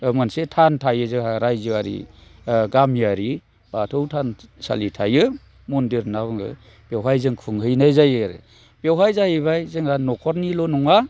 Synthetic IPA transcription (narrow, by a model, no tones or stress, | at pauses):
mansetʰantʰajɯzɯhaɾajzɯaɾḭɡamijaɾi | b̥atʰɯwtʰansa̰litʰajɯ | mɔndiɾnabɯŋɯ̰ | b̥ewɦajzɯŋkʰɯŋɦɯjnajzajɯɾɯ̰ | b̥ewɦajzahɯjβajzɯŋanɔkʰɔɾnilɔnɔŋa